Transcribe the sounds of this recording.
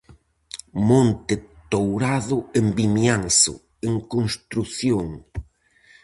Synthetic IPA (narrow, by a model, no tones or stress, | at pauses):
mõnt̪ɪt̪owɾaðʊembimjansʊ̰ | eŋkõnst̪ɾuθjoŋ